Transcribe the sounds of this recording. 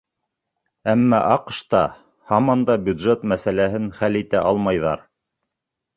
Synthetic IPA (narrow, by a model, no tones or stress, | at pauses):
æmːæʔɑqʃt̪ɑ | hɑmɑnd̪ɑbjʉd̪ʒet̪mæsælæɦɘnχælit̪æʔɑlˠmɑjðɑ̰ɾ